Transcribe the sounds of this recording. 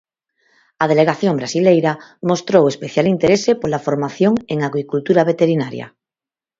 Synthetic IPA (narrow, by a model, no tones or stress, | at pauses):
að̞eleɣ̞aθjõmbɾasilejɾamost̪ɾowespeθjalint̪eɾesepolafoɾmaθjoŋeŋaɣɾikult̪uɾaβ̞et̪eɾinaɾja̰